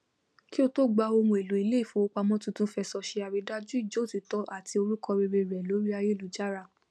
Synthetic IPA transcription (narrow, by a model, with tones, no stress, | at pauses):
ki˦o˧to˦ɡ͡ba˧o˧mũ˧e˨lu˨˦i˨le˦i˦˨fũ˨˦o˧k͡pa˧mɔ̃˦tũ˦˧tũ˦fɛ˧sɔ˧ʃe˧a˨ɾi˨˦da˦d͡ʒu˦i˦˨d͡ʒo˨˦˨ti˨˦tɔ˨˦ʔa˦˨tʰi˧o˧ɾu˦kɔ˧ɾi˧ɾe˧˨ɾɛ˨lo˨˦ɾi˦a˧je˦˨lu˨˦d͡ʒa˦ɾa˦˨